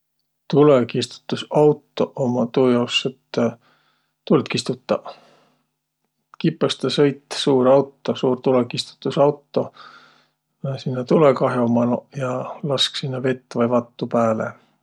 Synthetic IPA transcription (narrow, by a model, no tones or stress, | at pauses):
t̪ulekist̪u̥t̪ːusɑwt̪ːˑo̞ʔomɑt̪uːjɑwset̪ː | t̪ult̪kist̪ut̪ˑːɑ | kipːˑɑst̪ɑsɤjt̪ːˑsuːɾɑwt̪ːˑo̞suːrt̪ulekist̪u̥t̪ːˑusɑwt̪ːˑo̞ | nsinːɑt̪ulekɑɦjomɑnojɑlɑsksinːɑve̞t̪ːˑvɑjvɑt̪ːupæːlḛ